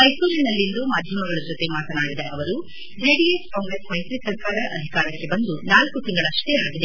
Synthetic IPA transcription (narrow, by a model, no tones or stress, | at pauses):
ɐjkulinɐlːind̪umaːd̪ʱjɐmɐɡɐɭɐd͡ʒɔt̪e̞maːt̪ɐnaːɽid̪ɐʔɐʋɐɾu | d͡ʒeːɖieskaːŋɡɾeːsmɐjsɾisɐɾkaːɾɐʔɐd̪ʱikaːɾɐkːe̞bɐnd̪unaːlkut̪iŋɡɐɭɐʂʈeaːɡid̪e